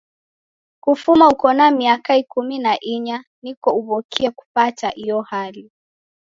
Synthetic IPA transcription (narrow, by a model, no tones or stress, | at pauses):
kufumaukɔnamiakaikuminaʔiɲanikɔuvɔkʰiaku̥pataʔijɔhali